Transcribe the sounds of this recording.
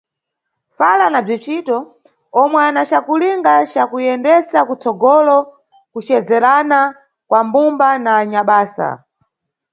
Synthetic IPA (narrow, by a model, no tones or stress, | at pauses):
falanab͡ʐit͡ʃitɔ | ɔmwɛanat͡ʃakuliŋɡat͡ʃakujɛndɛsakut͡sɔɡɔlɔ | kut͡ʃɛzɛɾana | kwambumbanaːɲaɓaːsa̰